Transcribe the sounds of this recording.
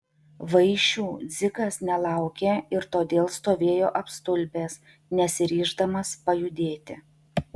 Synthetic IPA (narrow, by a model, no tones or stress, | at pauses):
ʋɐɪʃʲuːd̪zʲɪkɐsnʲɛlˠɑˑʊkʲeːɪɾt̪oːd̪ʲeːlˠst̪oːʋʲeːjoːʔɐpst̪ʊlʲbʲeːs | nʲɛsʲɪɾʲiːʒd̪ɐmɐspɐjʊd̪ʲeːt̪ʲɪ̰